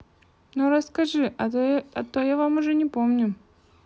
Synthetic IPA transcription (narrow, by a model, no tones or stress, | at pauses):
noɾɐskɐʐɨ | ɐt̪ojavamʊʐɛnʲɪpomnʲʊ